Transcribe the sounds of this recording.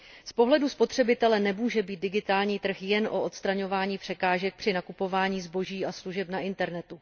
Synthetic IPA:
spo̞ɦlɛduspo̞t̪r̝̥ɛbɪt̪ɛlɛnɛmuːʒɛbiːt̪dɪɡɪt̪aːlɲiːt̪r̩xjɛnʔo̞ʔot̪st̪ɾaɲo̞vaːɲiːpr̝̥ɛkaːʒɛk̚pr̝̥ɪnakupo̞vaːɲiːzbo̞ʒiːasluʒɛpnaʔɪnt̪ɛɾnɛt̪u

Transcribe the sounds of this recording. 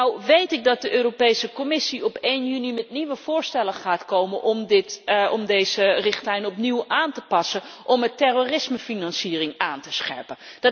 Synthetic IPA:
nawʋejtɪk̚dɑt̚dəʔøːropejsəkɔmɪsiɔpejnjynimɛtniʋəv̥ʊːɹstɛlənχaːtkowmənʔɔmdɪtɔmdejzərɪχtlɛjnɔpniwʔaːntəpɑsənʔɔmətɛroːrɪsməfinɑnsiːrɪŋaːntəsχɛ̰ɹpəndɑ

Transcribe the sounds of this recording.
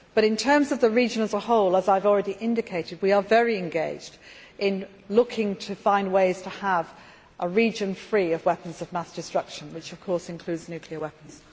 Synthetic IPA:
b̥ʌɾɨ̃ntʰɜ̃˞mzʌvðəɹid͡ʒɨ̃nəzəhoʊlˠəzaɪvɔl̩ˠɹɛɾiʔɪ̃ndɨkʰeɪɾɨd̚wiə˞vɛɹiɨ̃nɡeɪd͡ʒd | ʔɪ̃n | lʊkʰɪ̃ŋtʰɨfãɪ̃nd̚weɪz̥tʰəəv | ʔəɹid͡ʒɨ̃nfɹiːəvwɛpə̃n̩zəvmasd̥ɨstɹ̥ʌkʃə̃nwɨt͡ʃəv̥kʰɔɹsɨ̃nkʰl̥ʉːdznjʉˑkʰliəwɛpən̩z̥

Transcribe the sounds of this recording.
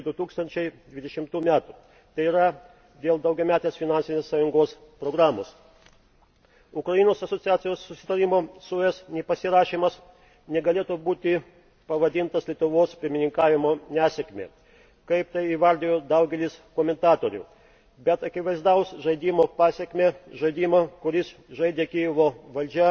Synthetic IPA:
d̪ʊt̪uːkst̪ɐnʲt͡ʃʲɛɪd̪ʲʋʲɪd̪ʲɛʃʲɪmt̪uːmʲæːt̪uː | t̪ɐɪiːɾɐ | d̪ʲeːlˠd̪ɐʊɡʲɛmʲæːt̪ʲeːsfʲɪnɑnʲsʲɪnʲeːssɑjʊŋɡoːs | pɾoɡɾɑːmo̰ːs | ʊkɾɐinoːsɐsot̪sʲɪjæːt̪sʲɪjoːsːʊsʲɪ̥t̪ɐɾʲimoːsʊɛsnʲɛpɐsʲɪɾɑːʃʲiːmɐs | nʲɛɡɐlʲeːt̪uːbuːt̪ʲɪ | pɐʋɐd̪ʲɪnt̪ɐslʲiɛt̪ʊʋoːspʲɪɾʲmʲɪnʲɪŋkɑːʋʲɪmoːnʲæːsʲɛkmʲḛ | kɐɪpt̪ɐɪiːʋɐɾʲd̪ʲeːjoːd̪ɐʊɡʲɛlʲɪskoːmʲɛnt̪ɑːt̪oːɾʲʊ̰ | bʲɛt̪ɐkʲɪʋɐɪzd̪ɐʊsʒɐɪd̪ʲiːmoːpɑːsʲɛkʲmʲeːʒɐɪd̪ʲiːmɐkʊɾʲɪsʒɐɪd̪ʲeːkʲiːjʊʋoːʋɐlʲd͡ʒʲɛ

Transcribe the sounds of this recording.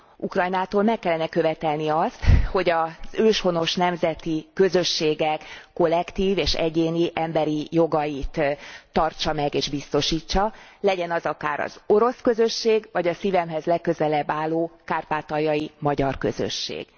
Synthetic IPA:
ukrɒjnaːt̪oːlmɛkːɛlːɛnɛkø̞vɛt̪ɛlniɒst̪ho̞ɟɒz̥øːʃho̞no̞ʃnɛmzɛt̪ikøzø̞ʃːeːɡɛkːo̞lɛkt̪iːveːʃɛ̰ɟeːniʔɛmbɛɾijo̞ɡɒjit̪ːɒrt͡ʃɒmɛɡeːʒbist̪o̞ʃiːt͡ʃːɒlɛɟɛnɒzɒkaːɾɒ̰z̥o̞ɾo̞skøzø̞ʃːeːɡvɒɟɒsiːvɛmɦɛzlɛkːøzɛlɛbːaːlːoːkaːrpaːt̪ɒjːɒjimɒɟɒrkø̞̰zø̰ʃːḛːɡ̥

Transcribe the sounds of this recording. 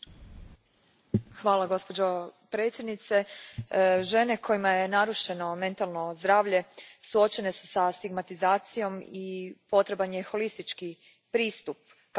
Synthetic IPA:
xʋaːlˠaɡo̞spod͡ʑopɾe̞t̪sjed̪nit̪se | ʒe̞ne̞kʰo̞jimaje̞naɾuʃe̞no̞me̞nt̪alˠno̞zd̪ɾaːʋʎe̞suo̞t͡ɕe̞ne̞su̥sast̪iɡmat̪izaːt̪sijo̞mipo̞t̪ɾe̞banjexo̞list̪it͡ʃki | pɾiːst̪up̚

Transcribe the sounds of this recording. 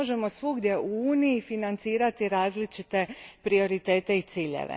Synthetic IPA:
oʒe̞mo̞sʋuɡd̪je̞ʔuuːniifinant̪siːɾat̪iɾaːzlit͡ʃit̪e̞pɾio̞ɾit̪e̞ːt̪e̞it̪siːʎḛʋḛ

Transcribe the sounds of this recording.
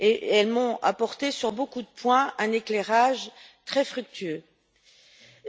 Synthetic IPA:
eʔɛlmɔ̃a̰pɔʁt̪esyʁbokud̪əpwɛ̃ɛ̃neklɛʁaʒt̪χɛfχyk̚t̪ʰyø

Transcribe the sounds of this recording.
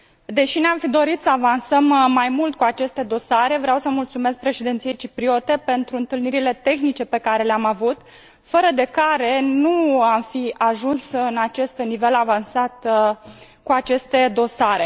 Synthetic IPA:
d̪e̞ʃineamfid̪o̞ɾit̪səavansəmːajmult̪kuat͡ʃe̞st̪e̞d̪o̞saɾe̞vɾeawsəmult̪sume̞s̬k̚pɾe̞ʃed̪e̞nt̪sije̞jt͡ʃipɾio̞t̪e̞pe̞nt̪ɾuɨnt̪ɨlniɾile̞t̪e̞xnit͡ʃe̞pe̞kaɾe̞leamavut̪ | fəɾəd̪e̞kaɾe̞nuamfiaʒunsɨnat͡ʃe̞st̪nive̞lavansat̪ | kuat͡ʃe̞st̪e̞d̪o̞saɾe̞

